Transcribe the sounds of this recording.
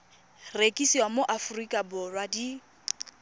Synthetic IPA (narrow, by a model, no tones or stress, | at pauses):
rekʼisiwamoʔafʊrikʼabʊrwadi